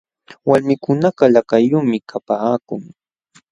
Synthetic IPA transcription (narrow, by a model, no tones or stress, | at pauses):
walmɪkʊnaɢɑlakajʊmɪkʰapaːkʊŋ